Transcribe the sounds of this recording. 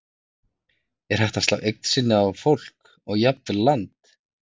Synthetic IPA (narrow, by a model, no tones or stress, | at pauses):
ɛɾ̥hajht̪ḁst̪a̰wʔejk̚n̥sɪnːɪavfowl̥k | ɔɣjap̪̚ɪɾlant̪